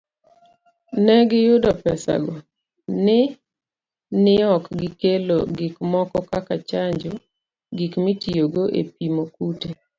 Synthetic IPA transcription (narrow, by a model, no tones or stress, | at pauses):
nɛɡɪjʊdɔpɛsa̰ɡɔ | nɪ | nɪɔkɡɪkelo̰ɡɪkmɔkɔkakat͡ʃaɲd͡ʒɔ | ɡikmitioɡoʔḛpimokute